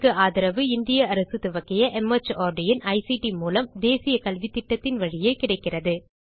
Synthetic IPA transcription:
kːɯaːðɪɾɐʋɯɪnd̪ɪjɐɐɾɐsɯt̪ɯʋɐkːɪjɐʔɛmɐt͡ʃːaːɾɖɪjɪnʔɐɪsiʈimuːlɐmd̪eːsɪjɐkɐlʋit̪ːɪʈːɐt̪ːɪnʋɐɻɪjeːkɪɽɐɪkːɪrɐðɯ

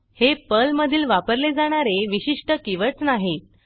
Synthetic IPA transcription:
hepəlməd̪ʱiːlʋapəɾled͡zaɽ̃aɾeʋiɕiʂʈəkiʋət͡snaɦet̪

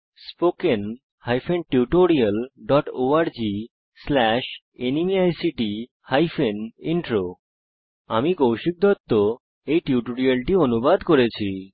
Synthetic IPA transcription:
spoken | hajfenʈiuʈoɾialɖɔʈoaɾd͡ʑi | slɛʃ | enimiajsiʈi | hajfʰeniɳʈɾo | a̰mikowʃik̚d̪ʱɔt̪ːo | ejʈiuʈoɾialʈionubad̪koɾet͡ɕʰi

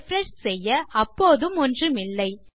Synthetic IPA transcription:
fɾɛʂsɛjːɐɐpːoːðɯmɔndrɯmɪlːɐɪ

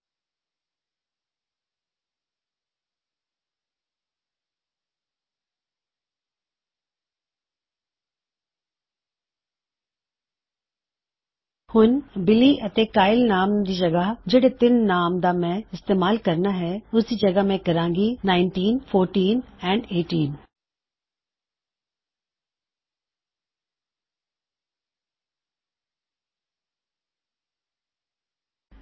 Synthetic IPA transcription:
hʊnbɪliʔɐt̪ekaːɪlnaːmd̪id͡ʒɐɡəɦd͡ʒɐɽet̪ɪnːaːmd̪amɛ̃ɪst̪eːmaːlkɐɾnaɦɛʊsd̪id͡ʒɐɡəɦmẽkɐɾãːŋɡinaːɪnʈiːnfʰoːɾʈiːnɛ̃ːɳɖeːʈiːn

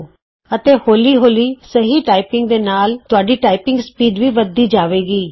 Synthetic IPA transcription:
ət̪eːhoːliːɦoːliːsəɦiːʈaːɪpɪ̃ŋɡd̪eːnaːlt̪ʊaːɖiːʈaːɪpɪ̃ŋɡspiːd̪ʋiːʋəd̪iːd͡ʒaːʋeːɡiː

